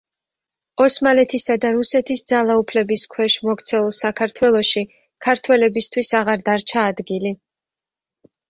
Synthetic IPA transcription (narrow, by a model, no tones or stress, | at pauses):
ɔsmalɛt̪ʰisad̪aɾusɛt̪ʰisd̪zalˠaupʰlɛbiskʰwɛʃmɔɡt̪sʰɛulˠsakʰaɾt̪ʰwɛlˠɔʃi | kʰaɾt̪ʰwɛlɛbist̪ʰwisaʁaɾd̪aɾt͡ʃʰaːd̪ɡili